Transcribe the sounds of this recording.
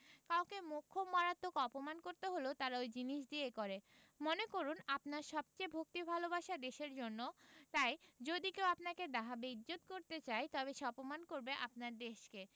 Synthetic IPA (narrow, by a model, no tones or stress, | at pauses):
kawkemokʰːomaɾat̪ːokɔpomankoɾt̪eɦolot̪aɾaojd͡ʑiniʃ̬d̪iekoɾe | monekoɾunapnaɾʃɔb̚t͡ɕejbʱok̚t̪ibʱalobaʃad̪eʃeɾd͡ʑonːot̪ajd͡ʑod̪ikewapnaked̪aɦabeiːot̪̚koɾt̪et͡ɕajt̪ɔβeʃeɔpomankoɾbeʔap̚naɾd̪eʃke